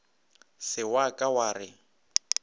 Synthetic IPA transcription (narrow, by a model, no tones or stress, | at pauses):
sɪwakʼawaːrɪ